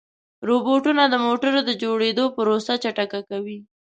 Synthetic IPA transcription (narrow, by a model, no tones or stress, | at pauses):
ɾoboʈunad̪əmoʈəɾod̪əd͡ʒoɽed̪opəɾosat͡ʃaʈakakawi